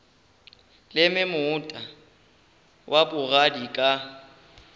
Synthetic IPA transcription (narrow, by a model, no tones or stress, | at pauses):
lɪmɪmʊːtʼa | wʔabʊɣadikʼa